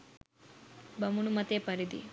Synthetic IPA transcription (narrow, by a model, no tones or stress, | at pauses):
bɐmunumɐt̪epɐɾid̪ḭ